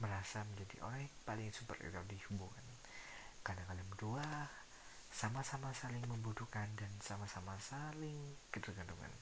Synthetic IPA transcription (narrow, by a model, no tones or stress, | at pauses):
məɾasaməɲd͡ʒadḭʔo̰ɾɛhpalɪŋsupə̰rḭt̪adihubuŋa̰n | kanakalamdua | samasamasalɪŋməmbut̪ukandansamasamasalɪŋkədərɡanduŋa̰n